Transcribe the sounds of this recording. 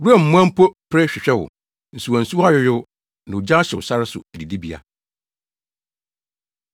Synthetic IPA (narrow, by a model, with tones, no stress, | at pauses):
ɾu˦a˨m̩˨mʊ̃˦ã˦m̩˦pʰɔ˦pʰɛ˦ɕᶣɪ˨ɕᶣɛ˦wʊ̰˨ | n̩˨su˨ɔ̃˨n̩˨su˦wa˦ɥɪ˦jɪ˦ | nã˨ʊ˨d͡ʑa˦ɕɛ˨wʊ̰˨sa˦ɾɪ˦sʊ̰˨æ˨di˨di˦bi˨a̰˨